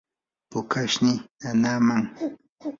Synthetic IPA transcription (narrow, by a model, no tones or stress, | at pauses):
pʊkaʃnɪanaːmaŋ